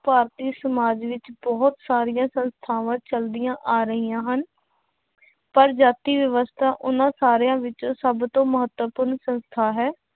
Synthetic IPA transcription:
paːɾt̪iːsəmaːd͡ʒʋɪt͡ʃbɔːt̪saːɾɪjãːsənst̪ʰaːʋãːt͡ʃəld̪ɪjãːʔaːɾəɦijãːɦən | pəɾd͡ʒaːt̪iːʋjəʋəst̪ʰaːʔʊnãːsaːɾejãːʋɪt͡ʃõːsəbt̪õːməɦət̪wəpʊɾnsənst̪ʰaːɦɛː

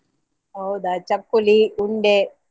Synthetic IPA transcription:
ɐwd̪at͡ʃɐpːuliuɳɖe

